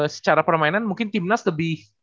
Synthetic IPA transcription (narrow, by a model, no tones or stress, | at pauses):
sə̥t͡ʃaɾapərmainanmuŋkɪnt̪imnasləbɪh